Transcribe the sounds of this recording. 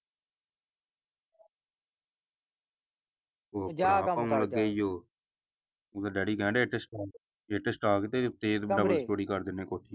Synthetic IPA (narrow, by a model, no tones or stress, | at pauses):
oːpaːãːləɡːeːiːjoː | ot̪aɖɛːɽiːkɛ̃ːɳɖeːʈesʈaː | eːʈesʈaːkt̪eːt̪eːzbɖaːbəsʈoːɽiːkəɾd̪ɪnːẽːkoːʈʰiː